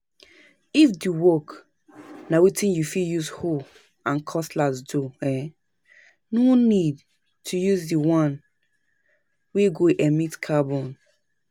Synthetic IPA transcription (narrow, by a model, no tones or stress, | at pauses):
ifdiwɔk | nawitĩnjufijuzho | ãnkʰɔslazdoɛ | nonid | tʰujuzdiwãn | weɡoʔɛmitkʰabɔ̃n